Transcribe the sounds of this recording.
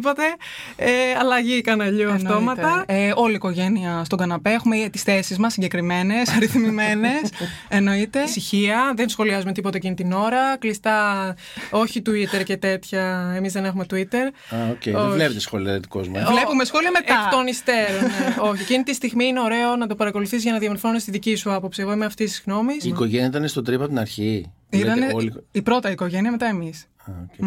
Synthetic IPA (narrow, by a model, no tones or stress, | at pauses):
pot̪e̞ | eɐlɐʝikɐnɐʎuɐft̪o̞mɐt̪ɐeo̞liːko̞ʝe̞niɐst̪oɡɐnɐpe̞exumeiet̪isθe̞sizmɐsːiɲɟe̞kɾime̞ne̞sɐɾiθmime̞ne̞s | eno̞it̪e̞siçiɐðensxo̞liɐzumet̪ipo̞t̪ecinit̪ino̞ɾɐklist̪ɐ | o̞çit̪uit̪e̞ɾce̞t̪e̞t̪çɐemizðe̞ne̞xume̞t̪uit̪e̞ɾ | aoceovlepet̪esxo̞liɐðet̪i̥kozmɐvlepumesxo̞liɐmeeft̪onist̪e̞ɾonneoçiecinit̪ist̪iɣmiineo̞ɾe̞o̞nɐt̪o̞pɐɾɐko̞luθizʝɐnɐðiɐmoɾfo̞nest̪iðicisuɐpo̞psieɣo̞imeɐft̪ist̪i̥zɣno̞misiːko̞ʝenijɐit̪ɐnest̪ot̪ɾipɐp̚t̪inɐɾçi | it̪ɐneipɾo̞t̪ɐiko̞ʝe̞niɐme̞t̪ɐe̞mis | aoe